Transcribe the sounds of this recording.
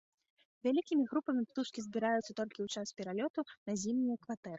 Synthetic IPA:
vʲalʲikʲimʲiɣɾupɐmʲipt̪uʂkʲizʲbʲiɾajut̪sːɐt̪ɔlʲkʲiwt͡ʂaspʲɛɾalʲɔt̪unɐzʲimnʲujɐkvat̪ɛɾɨ

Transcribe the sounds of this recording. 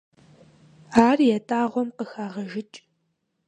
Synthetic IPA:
aːrjɛtʼaːʁʷɔmqəxaːʁɐʒɪt͡ʃʼ

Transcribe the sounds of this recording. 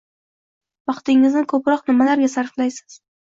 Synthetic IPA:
vɑqt̪ɪŋɪznɪkʰɵpɾɒqnɪmalaɾɡʲasaɾflajsɪ̥z̥

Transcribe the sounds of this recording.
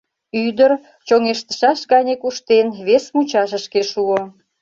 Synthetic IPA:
yd̪ər | t͡ɕoŋeʃt̪ə̥ʃɑʃɣɑnʲekuʃt̪enβesmut͡ɕɑʃəʃkeʃuo

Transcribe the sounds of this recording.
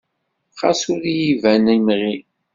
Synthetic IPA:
qɑsʊɾjivænæmʁi

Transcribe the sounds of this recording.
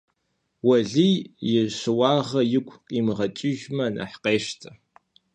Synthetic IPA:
wɐɮijjɪʂɨwɑːʁɐjɪkʷʰʼqʼiːmɨʁɐt͡ʃʼɪʒmɐnʔɐ̰ħqeːʃtʰɐ

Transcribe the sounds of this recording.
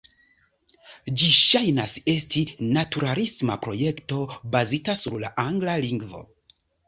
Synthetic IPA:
d͡ʒiʃajnase̞stinatuɾalismapɾo̞je̞kto̞bazitasuɾlaʔaŋɡlaliŋɡvo̞̰

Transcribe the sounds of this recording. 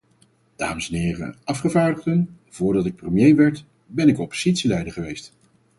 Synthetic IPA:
d̥a̰ːməsɛnɪːrə̰ɑfχəvaːɹdəχdən | v̥ʊːɹdɑtɪk̚prəmjejʋɛɹt | bɛnɪkɔpo̥z̥itsilɛjdəχəʋejst

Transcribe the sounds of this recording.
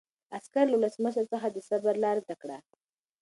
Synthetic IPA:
askaɾlawuləsməʃəɾt͡səxad̪əsabaɾlɑɾd̪akɽa

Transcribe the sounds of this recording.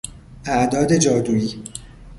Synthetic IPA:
æʔd̪ɒːd̪e̞d͡ʒɒːd̪uːiː

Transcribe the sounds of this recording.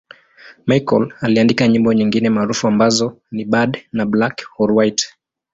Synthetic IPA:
majkɔ̰laliandikaɲimbɔɲiŋɡinɛmaːɾufuambazɔ | niɓadnablakɔɾwajt

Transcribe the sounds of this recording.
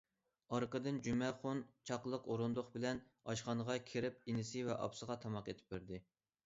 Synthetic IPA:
ɑɾqəd̪ɨnd͡ʒymɛχont͡ʃʰɑqlˠəqoɾund̪ʊχbɪlɛnɑʃχɑnəʁɑkʲʰeɾɪp̚inɪsɪvɛʔɑ̰psəʁɑt̪ʰɑmɑqet̪ʰɪ̥p̚bɪɾd̪ɪ

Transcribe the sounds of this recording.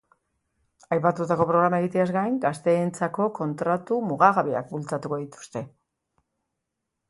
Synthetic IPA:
ajpat̪ut̪ako̞pɾo̞ɣ̞ɾamae̞ɣit̪e̞azɡajŋɡast̪e̞ːnt͡sako̞ko̞nt̪ɾat̪umuɣaɣaβia̰k̚bult͡sat̪uko̞ðit̪u̥st̪e̞

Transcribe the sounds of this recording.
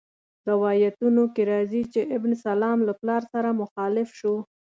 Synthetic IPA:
d̪awɑjat̪unokeɾɑzit͡ʃeʔɪbnsalɑmlaplɑɾsaɾamʊxɑlɪfʃo

